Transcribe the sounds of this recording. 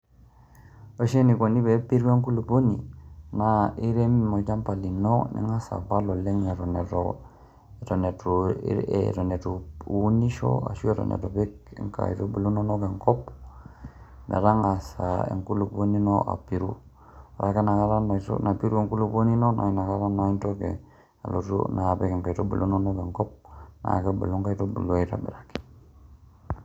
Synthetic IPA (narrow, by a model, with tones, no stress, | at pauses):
o˨˦ʃe˦ni˨ko˨ni˦be˨˦pi˦ɾu˦e˦ŋku˦lu˨bo˦nḭ˨na˨i˦ɾe˦mmo˨ɟa˦mpa˨li˨no˦nʔḭ˨ŋa˦sa̰˨ba˦lo˨le˦ŋe˨ɾo˨ne˨to | to˨ne˨to̰˨ | ɾo˨ne˨to˨u˦ni˦ʃo̰˦a̰˨ʃu˦e˦to̰˨nḛ˨to˨be˦kḛ˨ŋka̰˨i˨to˦bu˨lu˦no˦no˦ɡe˨ŋko˦p | na̰˨ɾa˦ŋa˨sa˨ḛ˨ŋku˦lu˨bo˦ni˦noʔa̰˨pi˨ɾṵ˦ | ɾa˨ke˦na˨ka˦ɾa˦no˨to̰na˨pi˦ɾu˦e˨ŋku˦lu˦po˦ni˦no˦nʔa̰˨i˦na˨ka˦ɾa˦na˨i˦nto˦ke˨ | a̰˨lo˨tṵna˨pe˦ke˨ŋka˨i˨to˦bu˨lʔu˦no˦no˦ɡe˨ŋko˦p̚na̰˨ke˦bə˨lu˦ŋka˦i˦to˦bu˨lo˦i˦ta̰˦bḛ˨ɾa˨ke̥